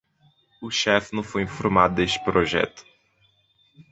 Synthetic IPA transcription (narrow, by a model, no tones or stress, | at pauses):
ʊʃɛfnɐ̃w̃fojĩfoɾmad̪ʊd̪eʃt͡ʃɪ̥pɾoʒɛ̰t̪ʊ̥